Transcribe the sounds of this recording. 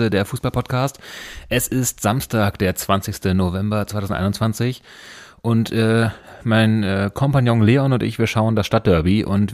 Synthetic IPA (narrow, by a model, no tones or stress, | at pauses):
ədeːɐfuːsb̥alpʰɔtkʰaːstʔɛsɪstz̥amstaːkd̥eːɐt͡sv̥ant͡sɪçstənovɛmbɐt͡sv̥aɪtʰaʊzn̩tʔaɪnʊnt͡sv̥ant͡sɪç | ʔʊntʰʔɛːmaɪnɛːkʰɔmpanjɔ̃ŋleːɔnʊntɪ̰çv̥iːɐʃaʊəndasʃtat̚d̥œɐbiʔʊ̰nt